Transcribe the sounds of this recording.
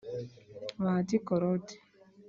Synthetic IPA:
waːtikɔɾɔti̥

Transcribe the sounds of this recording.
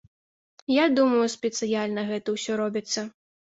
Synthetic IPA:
jad̪umɐjuspʲɛt̪sɨjalʲnɐɣɛt̪ɐwsʲɔɾɔbʲit̪sːɐ

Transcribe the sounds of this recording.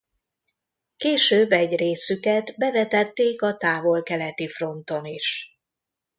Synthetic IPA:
keːʃøːbːɛɟreːsykɛt̪bɛvɛt̪ɛt̪ːeːkɒt̪aːvo̞lkɛlɛt̪ifro̞nt̪o̞niʃ

